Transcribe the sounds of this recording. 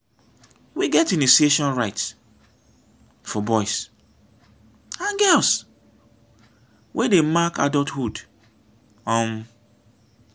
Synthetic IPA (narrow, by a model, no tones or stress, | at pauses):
wiɡɛtĩnisieʃɔ̃nɹaɪt | fɔbɔɪs | aɡɛs | wʔedemaka̰dɔlthud | ɔ̃m